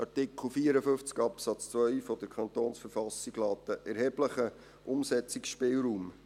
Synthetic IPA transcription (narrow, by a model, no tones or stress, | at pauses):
ɑɾtɪkχl̩ˠfiːəɾəfɵft͡skɑpsɑt͡st͡svœʏfɔd̪əɾkʰχɑnt̪oːnsfəɾfɑsiɡ̥lɑːt̪əʔɛɾhɛb̥ləχə | ʔʊmsɛt͡sɪksʃpɪːlɾuːm